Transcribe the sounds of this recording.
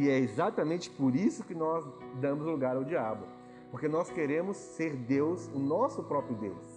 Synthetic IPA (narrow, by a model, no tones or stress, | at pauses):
ɪɛezat̪ɐmẽnt͡ʃɪ̥poɾisʊkɪnɔzd̪ɐ̃mʊzluɡaɾawd͡ʒiabʊ | poɾkenɔskeɾẽmʊsːeɾd̪ewsʊnɔsʊpɾɔpɾjʊd̪ḛws